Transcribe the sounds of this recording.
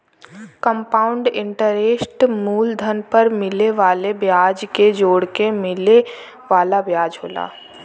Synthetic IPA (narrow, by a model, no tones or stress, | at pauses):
kə̃mpaːʊ̃ɳɖɪ̃ɳʈəɾeːsʈmuːld̪ʱənpəɾmɪleʋaːlebjaːd͡ʒked͡ʒoːɽkemɪle | ʋaːlabjaːd͡ʒɦoːla̰ː